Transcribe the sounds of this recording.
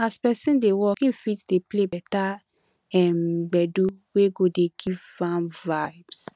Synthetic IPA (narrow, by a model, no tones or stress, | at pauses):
aspɛsĩndewɔkĩnfitdeplebɛta | ɛmɡ͡bɛduweɡodeɡ̥ivãmvaɪbs